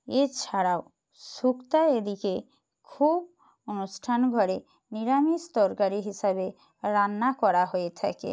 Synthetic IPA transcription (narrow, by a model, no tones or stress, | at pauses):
et͡ɕʰaɽao | sukt̪aed̪ike | kʰub | onusʈʰanɡʱɔɾe | niɾamist̪ɔɾkaɾiɦisabe | ɾanːakɔɾaɦojet̪ʰa̰kḛ